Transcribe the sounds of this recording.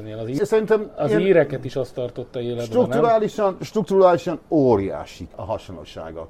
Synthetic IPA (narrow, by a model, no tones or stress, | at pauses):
neːlɒziːsɛɾint̪ɛmɒiːɾɛkɛt̪iʃɒst̪ɒrt̪o̞t̪ːɒeːlɛʃd̪ɾuk̪uɾaːliʃɒnʃt̪rɾuk̚t̪uɾaːliʃɒnoːɾija̰ːʃikɒ̰ɦɒʃonlːo̰ʃa̰ːɡɒ̰